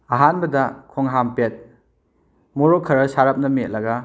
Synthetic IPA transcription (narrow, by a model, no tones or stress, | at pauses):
aɦanbɐdɐkʰoŋɦampet̚ | moɾokʰɐɾɐsaɾɐp̚nɐmiet̚lɐɡɐ